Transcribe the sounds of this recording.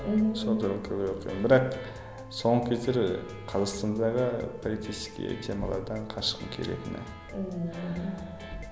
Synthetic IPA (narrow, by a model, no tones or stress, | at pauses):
sond̪əɾlkʲʰed̪ʲejwo̞qʰij̪ənbɪɾɑq | so̞ɴəkʲʰezd̪eɾ | qʰɑzɑqst̪ɑnd̪ɑʁəpʰolit̪ʰijskʲḭt̪ʰe̞mɑ̰lˠɑ̰ɾd̪ɑɴqʰɑʃə̥qəŋkʲʰe̞̰le̞̰t̪ɪnɪ̰